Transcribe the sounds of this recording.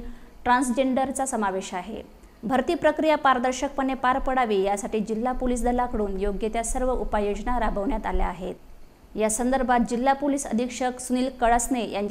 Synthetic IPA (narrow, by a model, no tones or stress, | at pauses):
ʈɾãnsd͡ʑeɳɖəɾt͡sasəmaʋeɕaɦḛ | bʱəɾt̪iːpɾəkɾijapaɾd̪əɾɕək̚pəɳːepaɾpəɽaʋiːjasaʈiːd͡ʑilːapoliːs̬d̪ʱəlakəɽuːnjoɡjet̪jasəɾʋəʔupajod͡ʑnaɾabʱəʋɳjat̪alja̰ːɦet̪ | jasənd̪əɾbʱat̪̚d͡ʑilːapoliːsə̰d̪ʱikʂəksuniːlkəɭəsnejaɲt͡ɕ